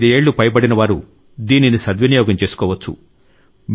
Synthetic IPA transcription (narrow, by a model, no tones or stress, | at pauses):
d̪ie̞ːɭːupɐjpɐɽinɐʋaːɾu | d̪iːninisɐd̪ʋinijɔːɡɐmt͡ʃe̞ːsu̥kɔːʋɐt͡ʃːṵ | m